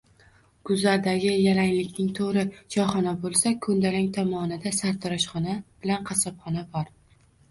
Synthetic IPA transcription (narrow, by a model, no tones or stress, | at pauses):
ɡ̥ʊzlaɾd̪aɡʲɪjalaŋlɪkʲnɪŋt̪ʰoɾɪd͡ʒɒχɒnabolˠsakʰɵnd̪alɪŋt̪ʰɒmɒnɪd̪asaɾt̪ʰɾɒʃχɒnab̥ɪlanqʰɑsɒpχɒnabɒɾ